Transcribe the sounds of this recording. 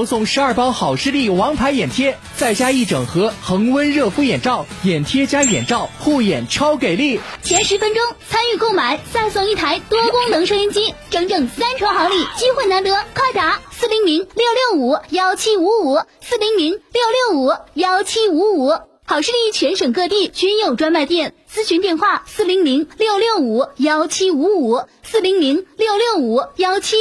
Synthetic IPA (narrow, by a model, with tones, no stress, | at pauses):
sʊ˥˩ŋʂɻ̩˧˥ɐ˞˥˩pɑ˥ʊxɑ˨˩ʊʂɻ̩˥˧li˥˩wɑ˧˥ŋpʰa˧˥ɪjɛ˨˩nt̪ʰjɛ˥ | t͡sa˥˩ɪt͡ɕja˥i˥˩ʈ͡ʂɤ˨˩ŋxɤ˧˥xɤ˧˥ŋwə˥nɻɤ˥˩fu˥jɛ˨˩nʈ͡ʂɑ˥˩ʊjɛ˨˩nt̪ʰjɛ˥t͡ɕja˥jɛ̰˨˩nʈ͡ʂɑ˥˩ʊxu˥˩jɛ˨˩nʈ͡ʂʰɑ˥ʊke˨˩ɪli˥˩t͡ɕ̪ʰjɛ˧˥nʂɻ̩˧˥fə˥nʈ͡ʂʊ˥ŋt͡sʰa˥ny˥˧ko˥˩ʊma˨˩˦nsa˥˧ɪsʊ˥˩ŋi˥˩t̪ʰa˧˥ɪt̪wɔ˥kʊ˥ŋnɤ˧˥ŋʂɤ˥˧i˧˥ŋt͡ɕi˥ʈ͡ʂɤ˧˥˩ŋʈ͡ʂɤ˥˩ŋsa˥nʈ͡ʂʰwɑ˧˥ŋxɑ˧˥ŋli˥˩t͡ɕi˥xwe˥˩na˧˥nt̪ɤ˧˥kʰwa˥˩ɪt̪a˧˥sɹ̩˥˩li˧˥ŋli˧˥ŋljo˥˧ʊljo˥˩ʊu˨˩˦jɑ˥ʊt͡ɕʰi˥u˧˥u˨˩sɹ̩˥˩li˧˥ŋli˧˥ŋljo˥˧ʊljo˥˩ʊu˨˩˦jɑ˥ʊt͡ɕʰi˥u˧˥u˨˩˦ | xɑ˨˩ʊʂɻ̩˥˧li˥˧˩i˥˩t͡ɕʰɥɛ˧˥nʂɤ˨˩ŋkɤ˥˧t̪i˥˩t͡ɕy˧˥njo˨˩ʊʈ͡ʂwa˥nma˥˧ɪt̪jɛ˥˩nt͡sɹ̩˥ɕʰy˧˥nt̪jɛ˥˧nxwa˥˩sɹ̩˥˩li˧˥ŋli˧˥ŋljo˥˧ʊljo˥˩ʊu˨˩jɑ˥ʊt͡ɕʰi˥u˧˥u˨˩˦sɹ̩˥˩li˧˥ŋli˧˥ŋljo˥˧ʊljo˥˩ʊu˨˩˦jɑ˥ʊt͡ɕʰi˥